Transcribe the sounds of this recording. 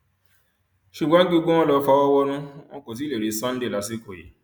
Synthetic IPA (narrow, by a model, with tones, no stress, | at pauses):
ʃu˨ɡ͡bɔ̃˨˦ɡ͡bu˦˧˦ɡ͡bõ˦w̃ɔ̃˦lɔ˨˧˦fa˧˦wɔ˦wɔ˦ɾ̃ũ˦w̃ɔ̃˧ko˨t̬i˨˦le˨ɾe˨˦sɔ̃˦n̩˦de˦˨la˨˦si˦ko˨jḛ˨˦